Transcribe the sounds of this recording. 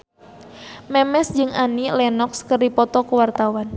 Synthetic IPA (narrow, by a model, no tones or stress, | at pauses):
mɛmɛsd͡ʒɨŋanilɛnɔkskərdipɔt̪ɔkuwart̪awan